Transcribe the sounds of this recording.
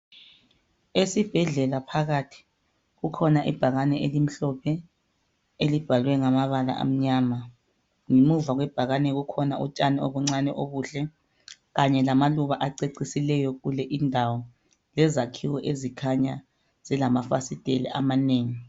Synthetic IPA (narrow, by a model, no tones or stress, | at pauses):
esib̥ʱɛɮɛlapʰaɣatʰi̥ | ɣukʰɔnaʔib̥ʱaɣanɛʔelim̩ɬɔpʰɛ | elib̥ʱalwɛŋamaβala̰ʔa̰m̩ɲaːma | ŋimuvaɣwɛb̥ʱaɣanɛɣukʰɔnaʔṵt͡ʃʼanioβuŋ͡ǀanɛʔoβuːɬɛ | ɣaɲɛlamaluβaʔaǀeǀisilɛjɔɣulɛʔindʱawɔ | lɛzakʰiwɔʔezikʰaɲa | z̥ilamafa̰sid̥ʱɛlɛ̰ʔa̰maneːŋi